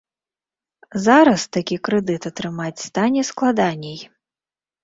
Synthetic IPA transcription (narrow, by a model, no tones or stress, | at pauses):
zaɾɐst̪akʲikɾɛd̪ɨt̪ɐt̪ɾɨmat͡sʲst̪anʲɛsklˠad̪anʲɛj